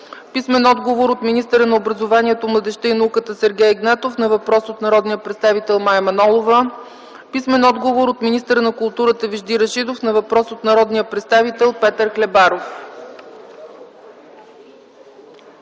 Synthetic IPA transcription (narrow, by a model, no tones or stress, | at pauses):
pismɛnɔd̪ɡovoɾot̪minist̪əɾənɐobɾəzovaniɛt̪omlˠəd̪ɛʃt̪ɛinɐukət̪əsɛɾɡʲɛjɛɡnɛt̪ofnɐvɐpɾɔsot̪nɐɾɔd̪nijəpɾɛt̪st̪avit̪ɛlˠmajmɐnɔlˠovə | pismɛnɔd̪ɡovoɾot̪minist̪əɾənɐkʊlˠt̪uɾət̪əviʒd̪iɾɐʃid̪ofnɐvɐpɾɔsot̪nɐɾɔd̪nijəpɾɛt̪st̪avit̪ɛlˠpɛt̪əɾklɛbaɾof